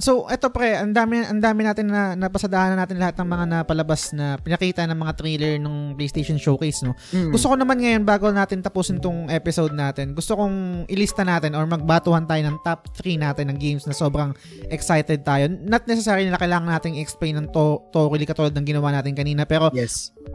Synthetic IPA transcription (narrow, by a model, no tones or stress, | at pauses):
sowʔɛt̪opɾɛʔɐnd̪aːmɛʔɐnd̪aːmɪnaːt̪ɪnːɐnɐpɐsɐd̪ɐʔaːnɐnaːt̪ɪnlɐhat̪̚ɐŋmɐŋanɐpɐlɐbasnɐpɪnɐkiːt̪ɐnɐŋmɐŋat̪ɾilɛɹnoŋplejst̪ejʃonʃowkejsno̞ɡʊst̪okonɐmanŋɐjo̞nbaːɡonaːt̪ɪnt̪ɐpuːsɪnt̪ʊŋʔɛːpɪsowd̪̚naːt̪ɪnɡʊst̪okʊŋʔɪlist̪ɐnaːt̪ɪnoɹmɐɡ̚baːt̪uhɐnt̪aːjo̞nɐŋt̪ap̚t̪ɾinaːt̪ɪnːɐŋɡejmsnɐso̞ːbɾɐŋ | ʔɛksajt̪ɛd̪̚t̪aːjo̞nɐt̪̚nɛs̬ɛsaːɾjonɪlakɐjlaːŋɐnaːt̪ɪŋɪʔɛksplejnːɐŋt̪ot̪oʔɾilikɐt̪uːlod̪nɐŋɡɪnɐwaːnaːt̪ɪnkɐniːnɐpɛːɾo̞